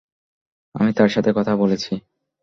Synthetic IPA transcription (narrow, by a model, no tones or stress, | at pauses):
a̰mit̪aɾʃat̪ʰekɔt̪ʰabolet͡ɕʰi